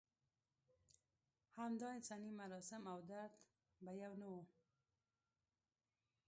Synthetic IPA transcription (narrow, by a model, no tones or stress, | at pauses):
hamd̪ɔnɪt͡sanimaɾɔsɪmawd̪at̪ | bajawno